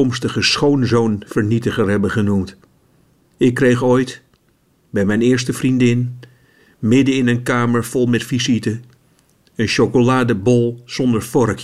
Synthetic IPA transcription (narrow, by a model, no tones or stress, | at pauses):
ɔmstəχəsχownzownvəɹnitəχəɹɦɛbəχənumt | ɪkːrejχojt | bɛjmɛjnɪːɹstəvrindɪn | mɪdəɪnənkaːməɹv̥ɔlˠmɛtfizitə | ənʃokolaːdəbɔlˠz̥ɔndəɹfɔɹk